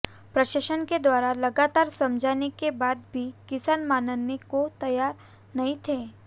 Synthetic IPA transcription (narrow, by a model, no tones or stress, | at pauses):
pɾɐʃəʃənked̪ʋaːɾalɐɡaːt̪aːɾsɐ̃md͡ʒʱaːnekebaːd̪̚bʱikɪsaːnmaːnənekot̪ɐjaːɾ | nɐɦĩt̪ʰeː